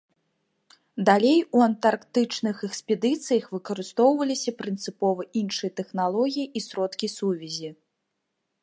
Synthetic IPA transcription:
d̪alʲejuɐnt̪arkt̪ɨt͡ʂnɨxɛkspʲɛd̪ɨt̪sɨjɐxvɨkɐɾɨst̪ɔwvɐlʲisʲɐpɾɨnt̪sɨpɔvɐʔinʂɨjɐt̪ɛxnalˠɔɣʲijiʔisɾɔt̪kʲisuvʲɛzʲi

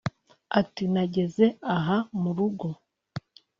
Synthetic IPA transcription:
atinaɟe̞ze̞aɦamuɾuɡo̞

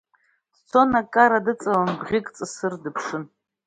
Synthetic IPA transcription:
st͡sʰo̞nakʼaɾadɨt͡sʼalanbʁʲikʼt͡sʼɨsɨrdɨpʰʂɨn

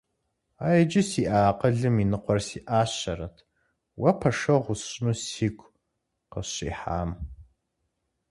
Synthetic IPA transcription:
aːjd͡ʒɪsiːʔaːqəɮɨminɨqʷɔrsiːʔaːɕɐrɐtʰ | wɐpʰɐʂɐʁʷʊsʼnuːsiːkʷʰʼ | qə̰ɕḭːħa̰ːm

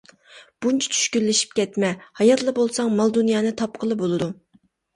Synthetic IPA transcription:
b̥unt͡ʃʰɛ̥t͡ʃʰy̥ʃkʲylːɪʃi̥p̚kʲɛt̪mɛhɑjɑt̪lˠɨbolˠsɑŋmɑlˠd̪unjɑːnɨt̪ʰɑp̚qʰəlˠɨbolˠɨd̪u

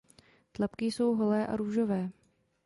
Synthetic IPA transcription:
t̪lapkɪso̞wɦolɛːʔa̰ɾuːʒovɛː

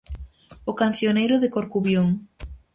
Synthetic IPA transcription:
okanθjonejɾʊðɪkoɾkuβjoŋ

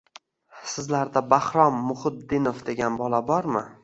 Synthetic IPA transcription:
sɪzlaɾd̪abahɾɒmːʊhʊd̪ːɪnofd̪e̞ɡʲanbɒlabɒɾmɪ

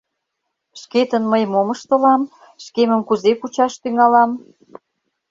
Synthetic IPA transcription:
ʃket̪ənməjmoməʃt̪ə̆lɑm | ʃkemə̆mkuzekut͡ɕɑʃt̪yŋɑlɑm

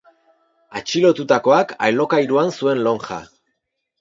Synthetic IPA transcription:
at͡ʃilo̞t̪ut̪ako̞aka̰jlo̞kajɾuansue̞nlo̞ŋʝa̰

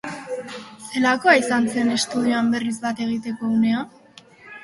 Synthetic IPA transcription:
se̞lako̞aisant͡se̞ne̞st̪uðioambe̞rizbat̪e̞ɣ̞it̪e̞ko̞une̞a

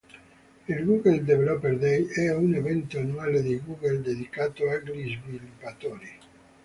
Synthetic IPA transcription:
ilɡuɡeld̪evelɔpeɾd̪ɛjɛunevɛnt̪oanuwaːled̪eɡuːɡeld̪ed̪ikaːt̪oaɡɾizvilupat̪ɔːɾi

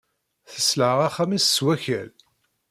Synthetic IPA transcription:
θə̥sləʕʁaχæmissːwæçæl

